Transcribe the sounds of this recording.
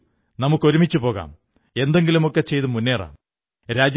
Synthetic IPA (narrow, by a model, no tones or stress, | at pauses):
nɐmukːo̞ɾumit͡ɕːupo̞ːɣa̰ːm | e̞nd̪e̞ŋɡilumokːe̞t͡ɕe̞jt̪ɨmunːeːra̰ːm | ɾaːd͡ʑ